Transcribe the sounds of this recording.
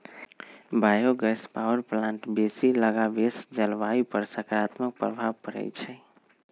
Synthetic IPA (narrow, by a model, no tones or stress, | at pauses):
bajoɡəspawəɾplãɳʈbesiləɡabesd͡ʒəlʋaipəɾsəkɾat̪mək̚pɾə̰bʱabkəɾɛ̰t͡ʃʰɛ